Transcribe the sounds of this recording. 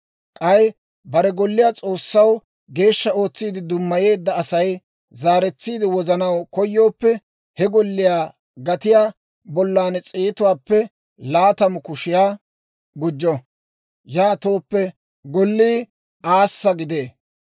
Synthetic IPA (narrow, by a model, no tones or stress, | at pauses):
kʼɐj | bɐɾɛɡɔlːɪjaːt͡sʼo̞ːsːɐw | ɡe̞ːʃːɐo̞ːt͡sːiːd̪ɪd̪ʊmːɐje̞ːd̪ːɐːsɐj | zaːɾɛt͡sːiːd̪ɪwɔzɐnɐwkɔjːo̞ːpːɛ | hɛɡɔlːɪjaː | ɡɐt̪ɪjaː | bɔlːaːnɛt͡sʼeːt̪ʊwaːpːɛ | laːt̪ɐmʊkʊʃɪjaː | ɡʊd͡ʒːɔ | jaːt̪o̞ːpːɛ | ɡɔlːiː | aːsːɐɡɪd̪e̞ː